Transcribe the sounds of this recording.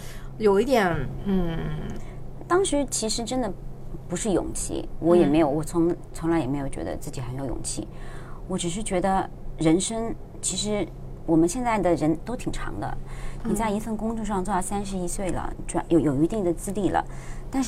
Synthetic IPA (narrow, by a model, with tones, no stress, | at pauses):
jo˨˩ʊi˥t̪jɛ˨˩nn̩˥˩ | t̪ɑ˥ŋʂɻ̩˧˥t͡ɕʰi˧˥ʂɻ̩˧˥ʈ͡ʂə˥nd̪ə˨pu˧˥ʂɻ̩˥˩jʊ̰˨˩ŋt͡ɕʰḭ˥˩wɔ˧˥jɛ˨˩me˧˥ɪjo˧˩ʊwɔ˨˩t͡sʰʊ˧˥ŋt͡sʰʊ˧˥ŋla˧˥ɪjɛ˨˩m˧˥ɪjo˨˩ʊt͡ɕɥɛ̰˧˥d̪ə̰˧t͡sɹ̩˥˩t͡ɕi˨xme˧˥jjʊ̰˨˩ŋt͡ɕʰḭ˥˩wɔ˧˥ʈ͡ʂɻ̩˨˩ʂ̬ɻ̩˥˩t͡ɕɥɛ˧˥d̪ə˧ | ɻə˧˥nʂɤə˥ŋ | t͡ɕʰi˧˥ʂɻ̩˧˥ | wɔ˨˩mə˧˦nɕjɛ˥˧nt͡sa˥˩ɪd̪ə˩ɻə˧˥nt̪o˥ʊt̪ʰi˨˩ŋʈ͡ʂʰɑ̰˧˥ŋd̪ə̰˧ni˨˩t͡sa˥˩ɪi˧˥fə˥˩nkʊ˥ŋʈ͡ʂu˥˧ʂ̬ɑ˥˧ŋt͡swɔ˥˧d̪ɑ˥˩sa˥nʂ̬ɻ̩˧˥i˥swe˥˩ɪlə̰˩ʈ͡ʂjo˧˩ʊjo˨˩ʊy˧˥t̪i˥˩ŋd̪ə˩t͡sɹ̩˥˧li˥˩lə̰˩t̪a˥˧nʂ